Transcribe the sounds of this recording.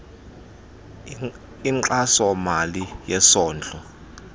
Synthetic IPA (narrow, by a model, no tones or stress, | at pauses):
iŋǃasɔmalijɛsɔːnd͡ɮʼɔ